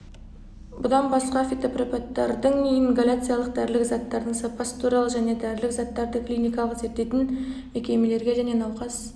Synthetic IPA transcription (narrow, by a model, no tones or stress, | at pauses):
bʊd̪ɑnbɑsqɑfʲit̪opropat̪ːɑ̰ɾd̪əɴnijɪŋɡalʲat̪sɨjalˠəqd̪æɾlɪkzɑt̪ːɑɾd̪əɴsapɑst̪ʰuɾɑlˠəʒæne̞d̪æɾlɪkzɑt̪ːɑɾd̪əklijnijkɑlˠəqze̞ɾt̪ːe̞jt̪ɪnme̞kʲe̞me̞le̞ɾɡʲe̞ʒæne̞nɑwqɑs